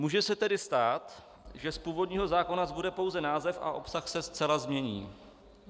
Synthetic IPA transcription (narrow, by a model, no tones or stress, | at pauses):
muːʒɛsɛt̪ɛdɪst̪aːt̪ | ʒɛspuːvo̞dɲiːɦo̞zaːko̞nazbudɛpo̞wzɛnaːzɛfʔa̰ʔo̞psaxsɛst͡sɛlazmɲɛɲḭː